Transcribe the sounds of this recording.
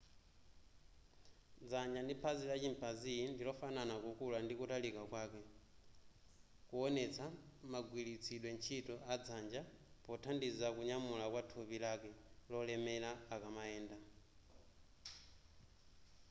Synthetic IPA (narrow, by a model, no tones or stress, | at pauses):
d͡zaɲd͡ʒandipʰazilat͡ʃimpʰazindilɔfananakukulandikutalikakwaːkɛ | kuɔnɛt͡sʰamaɡwilit͡sʰiɗwɛnt͡ʃʰitɔad͡zand͡ʒapɔtʰandizakuɲamulakwatʰupilakɛlɔlɛmɛlaːkamaɛːnda